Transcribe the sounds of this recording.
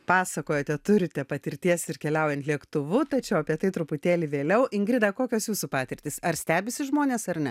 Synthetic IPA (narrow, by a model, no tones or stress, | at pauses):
pɑːsɐkoːjoːt̪ʲɛt̪ʊɾʲɪt̪ʲɛpɐt̪ʲɪɾʲt̪ʲiɛsɪɾkʲɛlʲɛʊjɛnt̪ʲlʲiɛkt̪ʊʋʊt̪ɐt͡ʃʲɛʊɐpʲiɛt̪ɐɪt̪ɾʊpʊt̪ʲeːlʲɪʋʲeːlʲɛʊʔɪŋɡɾʲɪd̪ɐkoːkʲoːsjuːsupɑːt̪ʲɪɾʲt̪ʲɪsɐɾsʲt̪ʲæːbʲɪsʲɪʒmoːnʲeːsɐɾnʲɛ